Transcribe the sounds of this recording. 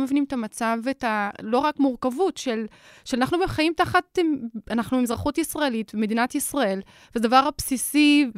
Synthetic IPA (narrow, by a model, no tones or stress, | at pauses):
me̞vinimet̪amat͡savetalo̞ʁakmuʁkavutʃe̞l | ʃeanaχnubeχajimt̪aχatanaχnubemzʁaχutisʁaelitvemed̪inatisʁae̞l | vezed̪avaʁapsisi